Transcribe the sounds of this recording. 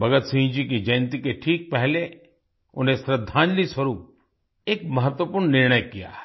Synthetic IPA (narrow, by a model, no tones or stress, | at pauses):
bɐɡət̪siɦĩd͡ʒikid͡ʒɐj̃nt̪ikeʈʰiːk̚pɛɦle | ʊ̰nɦesɾəd̪ʱːãːnd͡ʒliswəɾuːp̚ | eːkmɐɦət̪wəpuːɾɳːɪɾɳ̃əjkija̰ː